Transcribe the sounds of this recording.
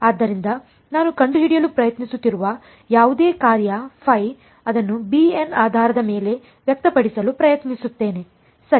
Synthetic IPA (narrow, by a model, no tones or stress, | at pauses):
aːd̪ːɐɾind̪ɐ | naːnukɐɳɖud͡ʒiɽijɐlupɾɐjɐt̪nisut̪ːiɾuʋɐ | jaːʋud̪eːkaːɾjɐpʰɐj | ɐd̪ɐnːubienaːd̪ʱaːɾɐd̪ɐme̞ːle̞ | ʋjɐk̚t̪ɐpɐɽisɐlupɾɐjɐt̪nisut̪ːe̞ːne̞ | sɐ